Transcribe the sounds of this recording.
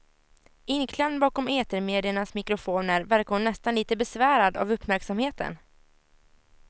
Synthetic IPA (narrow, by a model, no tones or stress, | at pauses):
ɪnkʰlɛnbɑːkɔmeːt̪əɾmeːd̪ɪəɳasmɪkɾʊfoːnəɾvæɾkahʊnːɛst̪anliːt̪əbɛsvæːɾad̪a̰vɵpːmæɾksamheːt̪ə̰n